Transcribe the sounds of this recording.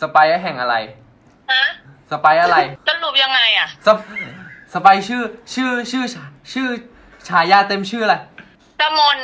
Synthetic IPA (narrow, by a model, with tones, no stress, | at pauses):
sa˧paː˧jʔa˥˩ɦɛ˨˩ŋʔa˧ɾa˧j | a˦˥sa˧paː˧jʔa˧ɾa˧jsa˧lu˨˩p̚ja˧ŋːa˧jʔa˨˩ʔsa˧ | sa˧baː˧jt͡ɕʰɯː˥˩t͡ɕʰɯː˥˩t͡ɕʰɯː˥˩at͡ɕʰɯː˥˩ | t͡ɕʰaː˩˦jaː˧˩t̪e˧mt͡ɕʰɯː˥˩˧la˧˩ | ka˧mo˧n